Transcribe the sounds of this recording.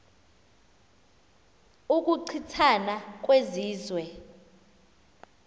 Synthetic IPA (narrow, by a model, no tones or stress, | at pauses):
uk̬ʼuǀʰitʰanak̬ʼweziːzwɛ